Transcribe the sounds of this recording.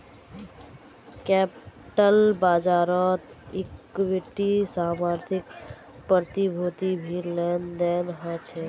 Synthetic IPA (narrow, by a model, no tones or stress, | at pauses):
kɛpʈəlbaːd͡ʒaːɾɔt̪ɪkʋɪʈisaːmaːɾt̪ʰɪk | pəɾt̪ibʱoːt̪ibʱilend̪eːnɦãt͡ʃʰe